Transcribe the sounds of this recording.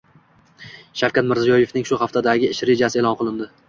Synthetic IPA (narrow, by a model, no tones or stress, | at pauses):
ʃafkʲat̪mɪɾzijɒje̞fnɪŋʃʊχaft̪ʰad̪aɡʲɪɪʃɾe̞d͡ʒasɪe̞lˠɒnqʰɨlˠɪnd̪ɪ